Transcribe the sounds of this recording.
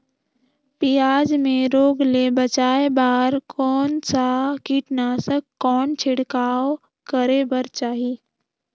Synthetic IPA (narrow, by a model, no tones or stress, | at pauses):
pijaːd͡ʒmẽɾoːɡlebət͡ʃaːebaːɾkʰɔːnsakiːʈnaːsəkːɔːnt͡ʃʰɪɽkaːw | kəɾebəɾt͡ʃaːɦiː